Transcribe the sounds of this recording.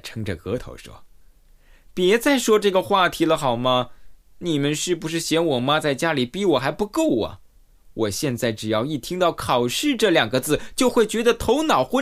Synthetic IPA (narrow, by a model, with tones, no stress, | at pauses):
ʈ͡ʂʰɤ˥ŋʈ͡ʂə˨kɤ˧˥t̪ʰo̰˧˥ʊʂwɔ̰˥ | pjɛ˧˥t͡sa˥˩ɪʂwɔ˥ʈ͡ʂɤ˥˩ɡə˩xwa˥˩t̪ʰi˧˥lə˧xɑ˨˩ʊmɐ˥ | ni˨˩mə˧˦nʂɻ̩˥˩pu˧˥ʂ̬ɻ̩˥˩ɕjɛ˧˥nwɔ˨˩ma˥t͡sa˥˩ɪt͡ɕja˥li˨˩pi˧˥wɔ˨˩xa˧˥ɪpu˧˥ko˥˩ʊɐ̰˩ | wʔɔ˨˩ɕjɛ˥˧nt͡sa˥˩ɪʈ͡ʂɻ̩˨˩jɑ˥˧ʊi˥˩t̪ʰi˥ŋt̪ɑ˥˩ʊkʰɑ˨˩ʊʂɻ̩˥˧ʈ͡ʂɤ˥˩ljɑ˨˩ŋɡə˦t͡sɹ̩˥˩t͡ɕjo˥˧ʊxwe˥˩ɪt͡ɕɥɛ˧˥d̪ə˧t̪ʰo˧˥ʊnɑ˨˩ʊxwə˥